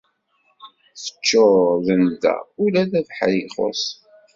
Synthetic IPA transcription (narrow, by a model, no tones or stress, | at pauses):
θə̥t͡ʃːʊðənd̪æ̰ulæðæðħɾiχo̰s